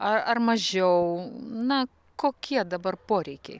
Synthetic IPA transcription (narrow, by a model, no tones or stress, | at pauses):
ɐɐrmɐʒʲɛʊnɐ | koːkʲiɛd̪ɐbɐrpoːɾʲɛɪkʲɛ̰ɪ